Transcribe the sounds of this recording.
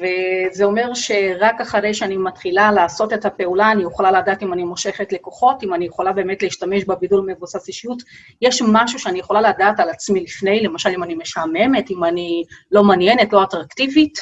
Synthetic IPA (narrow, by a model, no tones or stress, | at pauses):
ve̞zeo̞me̞ʁʃe̞ʁakaχaʁe̞jʃeanimatχilalaːso̞te̞thape̞ulaːnijeχolaladaːtimanimo̞ʃe̞χetle̞ko̞χo̞timanijeχo̞labe̞ːme̞tleiʃtame̞ʃbebidulme̞vusasiʃijut | jeʃmaʃuʃeanijeχo̞laladaːtalat͡smilifne̞jle̞maʃalimanime̞ʃame̞me̞timanilo̞manjenetlo̞atʁaktivit